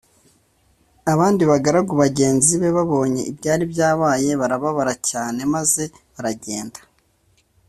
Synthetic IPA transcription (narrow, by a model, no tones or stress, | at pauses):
aβaːndiβaɡaɾaɡuβaɟe̞ːnziβe̞βaβo̞ːɲe̞̰ʔibɟaːɾibɟaːβaːje̞βaɾaβaβaɾacaːne̞maze̞ | βaɾaɟe̞̰ːndḁ